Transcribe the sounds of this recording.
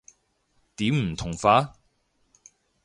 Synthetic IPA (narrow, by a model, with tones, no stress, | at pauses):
t̪iː˨˥mm̩˨˩t̪ʰʊ˨˩ŋfaː˨˥